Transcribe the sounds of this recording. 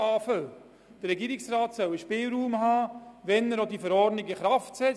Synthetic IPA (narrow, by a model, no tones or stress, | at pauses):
ɑːfəl | d̥əɾɛɡiːɾɪksɾaːtsœwəʃpɪːlɾuːmhaːʋɛnəɾodifəɾɔrdnɪɡəχɾaftsɛ